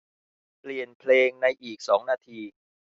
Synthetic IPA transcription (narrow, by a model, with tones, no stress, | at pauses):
pli˨˩ənpʰleː˧ŋna˧jʔiː˨˩k̚sɔː˩˦ŋnaː˧t̪ʰiː˧